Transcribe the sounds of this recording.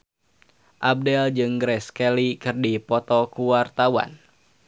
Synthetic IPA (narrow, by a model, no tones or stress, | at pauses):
ʔab̚dɛld͡ʒɨŋɡɾɛskɛlikɨrdipɔt̪ɔkuwart̪awa̰n